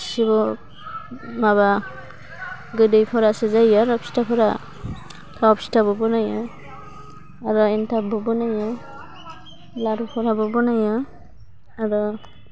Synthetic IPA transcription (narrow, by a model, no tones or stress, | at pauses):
sibɔ | maβa | ɡɯdɯjpʰɔɾasezajaɾɔpstapʰɔɾa | tʰaɔpstabɔbɔnajɔ | aɾɔɛntʰabɔbɔnajɔ | laɾupʰɔɾabɔbɔnajɔ | aɾɔ